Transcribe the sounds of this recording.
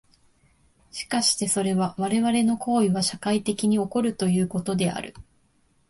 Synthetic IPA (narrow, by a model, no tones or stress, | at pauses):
ɕi̥kaɕi̥t̪e̞so̞ɾe̞βaβaɾe̞βaɾe̞no̞kʰo̞ːiβaɕakait̪e̞kʲiɲ̟io̞ko̞ɾɯ̟t̪o̞jɯ̟ːko̞t̪o̞d̪e̞a̰ɾɯ̟̰